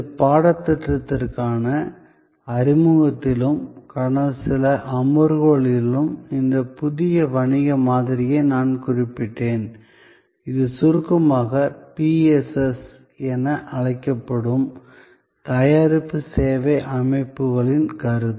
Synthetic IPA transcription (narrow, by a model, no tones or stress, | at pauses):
ɐpaːɽɐt̪ːɐʈ̪ɾɐt̪ːɪrkaːnɐ | ɐɾɪmɯɣɐt̪ːɪlɯmkɐɳɐsɪlɐʔɐmɯɾɣoɭɪlɯmɪnd̪ɐpʊðɪjɐʋɐɳɪɣɐmaːðɪɾɪjɐɪnaːnkʊrɪpːɪʈːeːn | ɪðɯsʊɾɯkːɐmaːɣɐpiːɛsɛs | ɛnɐʔɐɻɐɪkːɐpːɐɽɯm | t̪ɐjaːɾɪpːɯseːʋɐɪʔɐmɐɪpːɯɣɐɭɪnkɐɾɯ